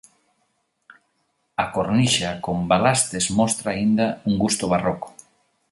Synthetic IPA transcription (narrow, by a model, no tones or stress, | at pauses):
akoɾniʃakombalast̪ezmɔst̪ɾaːind̪auŋɡust̪ʊβaroko̥